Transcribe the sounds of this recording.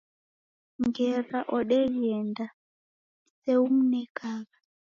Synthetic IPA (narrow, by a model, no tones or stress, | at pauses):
ŋɡɛɾaʔɔɗɛɺiɛnda | sɛum̩nɛkʰaɣa